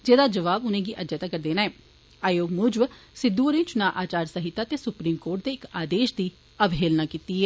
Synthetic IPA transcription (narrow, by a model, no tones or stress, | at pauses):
d͡ʒeːd̪aːd͡ʒəʋaːbʊnẽːɡiːʔəd͡ʒət̪aːkəɾd̪eːnaːɛː | aːjoːɡmʊd͡ʒʋsɪd̪ːuːɾĩːt͡ʃʊnaːʔaːt͡ʃaːɾsəɦɪt̪ːaːt̪eːsʊpɾiːmkoːɾʈ̚d̪eːɪkaːd̪eːʃd̪iː | əbʱeːlnãːkiːt̪iːɦɛː